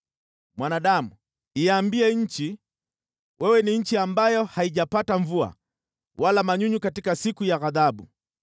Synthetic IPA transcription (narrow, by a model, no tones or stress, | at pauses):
mwanaɗamu | ijaːmbiɛɲ̩t͡ʃi | wʔɛwɛniɲ̩t͡ʃiambajɔhaiʄapataɱvua̰ | walamaɲuɲukatikasikujaɣaðaɓu